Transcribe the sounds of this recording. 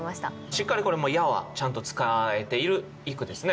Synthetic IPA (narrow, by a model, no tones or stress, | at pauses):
maɕi̥t̪a̰ | ɕikːaɾʲiko̞ɾe̞mo̞ijaβa̰t͡ɕãnt̪o̞t͡sɨ̥kae̞t̪e̞iɾɯ̟ | ikɯ̟d̪e̞sɨne̞